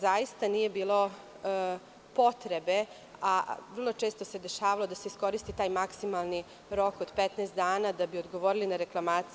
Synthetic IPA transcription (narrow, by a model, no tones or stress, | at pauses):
zajist̪anije̞biːlˠo̞ | po̞t̪ɾe̞be̞ | aʋərlˠo̞t͡ʃeːst̪ose̞d̪e̞ʃaːʋalo̞d̪aseisko̞ɾist̪it̪aːjmaksimalˠni | ɾo̞kod̪pet̪neːst̪d̪aːnad̪abio̞d̪ɡo̞ʋo̞ɾilinaɾeklˠamaːt̪s